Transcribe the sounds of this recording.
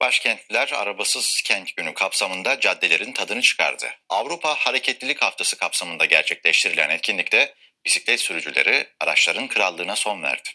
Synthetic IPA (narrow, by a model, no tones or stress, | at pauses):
b̥aʃcʰɛnt̪lʲæɾa̰ɾabasɯz̥cʰænt̪ɟ̥ynykʰapsamɯnd̪ad͡ʒad̪ːe̞lʲe̞ɾint̪ʰad̪ɯnɯt͡ʃʰɯ̥kʰa̰ɾd̪ɯ̰avɾupʰahaɾecʰɛt̪lʲilʲichaft̪ʰasɯkʰapsamɯnd̪aɟæɾt͡ʃʰɛclʲɛʃt̪ʰiɾilʲænɛt̪̚cʰinlʲict̪ɛ | bisiclʲɛt̪syɾyd͡ʒylʲḛɾiaɾa̰t͡ʃlˠaɾɯnkʰɯɾalˠːɯːnaso̞nvæ̰ɾd̪̥ɪ̥